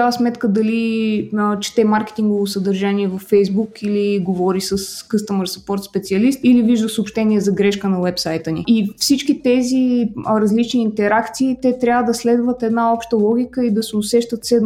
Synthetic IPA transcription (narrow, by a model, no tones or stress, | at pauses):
asmɛt̪kəd̪ɐli | t͡ʃɛ̥t̪ɛmaɾkʲɛ̥t̪iŋɡovosəd̪ɐɾʒaniɛvɐfːɛjzbukiliɡovɔɾisəskɤst̪əməɾspɔɾt̪spɛt̪siɐlist̪iliviʒd̪əsəopʃt̪ɛniɛzɐɡɾɛʃkənɐwɛpsajt̪ənḭifsit͡ʃkit̪ɛziɾɐzlit͡ʃniːnt̪ɛɾakt̪siːt̪ɛt̪ɾʲjavəd̪ɐslɛd̪vət̪ɛd̪naɔpʃt̪əlˠɔɡʲikəid̪ɐsɛʊsɛʃt̪ət̪sɛd̪n